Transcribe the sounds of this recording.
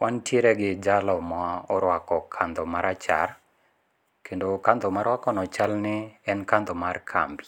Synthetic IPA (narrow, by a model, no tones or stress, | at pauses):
wantjeɾɛɡɪd͡ʒalɔmaɔɾwakɔkʰand̪ɔmaɾat͡ʃa̰r | kʰendokand̪ɔmaɾwakɔnɔt͡ʃalnɪɛnkand̪ɔmarkʰa̰mbi